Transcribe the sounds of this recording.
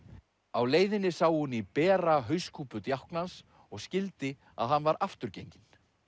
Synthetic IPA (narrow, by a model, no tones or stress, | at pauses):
awleːjðɪnːɪsaːwhunipɛːɾaɦœɥskʰuːpʏt̪jahknans | ɔɣscɪlt̪ɪ | a̰ðɦanːvaɾʔaft̪ʏɾcejɲcɪn̥